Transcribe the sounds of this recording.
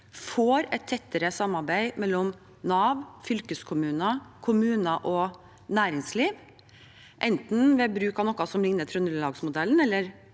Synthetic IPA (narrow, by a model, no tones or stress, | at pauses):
foːɾɛt̪ʰːɛt̪ːəɾəsɑmːɑɾbæɪmɛlːɔm | nɑːʋfʏlkəskʰʊmʉːnɑkʰʊmʉːnəʔɔ | næːɾɪŋsliːʋ | ʔɛnt̪n̩ʋɛbɾʉːkɑnɔkɑsɔmlɪŋnət̪ʰɾʉnəllɑːɡsmʊd̪ɛlːnɛlːəɾ